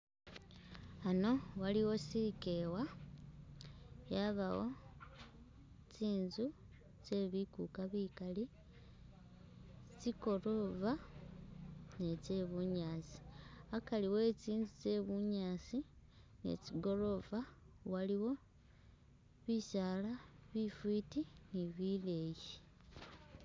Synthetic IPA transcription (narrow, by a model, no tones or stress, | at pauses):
ano̞waliwo̞siikewa | jaβawo̞ | ciːnzu | t͡ʃe̞βikukaβikali | t͡siko̞ɾo̞va | ne̞t͡se̞βuɲaːsi̥akaliwe̞t͡siːnzut͡se̞βuɲaːsi | ne̞̰ciɡo̞ɾo̞va | waliwo̞ | βisalaβifitiniβile̞ːji